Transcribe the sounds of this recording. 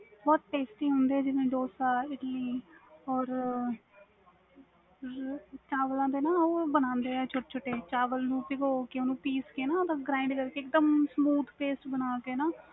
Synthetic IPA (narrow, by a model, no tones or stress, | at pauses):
bɔːt̪̚ʈeːsʈĩːɦõːnd̪eːɛːd͡ʒɪnẽːɖoːsaːɪʈəliːɔːɾ | t͡ʃaːʋəlãːd̪eːnãːoːbənãːnd̪eːɛːt͡ʃʰʊʈt͡ʃʰʊʈːeːt͡ʃaːʋəlnũːpɪɡoːkɪonũːpiːskeːnãːt̪ãːɡɾaːɪ̃ɳɖkəɾkeːkd̪əmsmuːt̪ʰpeːsʈbənaːkeːnaː